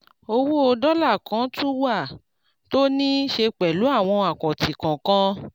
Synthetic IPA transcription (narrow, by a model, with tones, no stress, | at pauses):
o˧wo˦o˧dɔ˦la˦˨kã˨˦tũ˦wa˦˨ | to˦nĩ˦ʃe˧k͡pɛ˨lu˨˦a˦˨w̃ɔ̃˧a˨kɔ̃˨ti˨kã˨kã˦